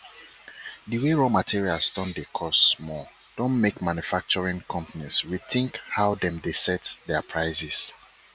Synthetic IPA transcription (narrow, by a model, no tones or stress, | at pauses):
diweɹomatʰiɹialsdɔ̃ndekʰɔstmɔ | d̥õnmekmãnjufak̚t͡ʃɔɹĩŋkʰɔ̃mpaniswiθɪ̃ŋkhaʊdɛ̃mdesɛtdɛapʰɹaɪsɪs